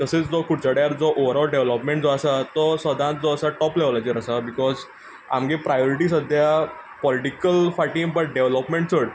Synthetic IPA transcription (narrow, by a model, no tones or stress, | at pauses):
t̪əset͡sd͡zɔkuɽt͡ɕaɽjaɾd͡zɔʔoʋəɾɔlɖeʋlɔpmẽɳʈ̚d͡zɔəsat̪ɔsəd̪ʱãt̪̚d͡zɔəsaʈɔplɛʋlat͡ɕiɾəsabikɔz | a̰mɡepɾajɔɾiʈisəd̪ʱja | pɔliʈikəlfaʈĩŋbəʈ̚ɖeʋlɔpmẽɳʈ̚t͡səɽ